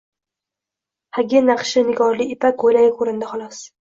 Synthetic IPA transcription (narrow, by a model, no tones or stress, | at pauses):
haɡʲɪnaqʃɪnɪɡɒɾliɪpakʰojlajʲɪkʰɵɾɪnd̪ɪχɒlˠɒs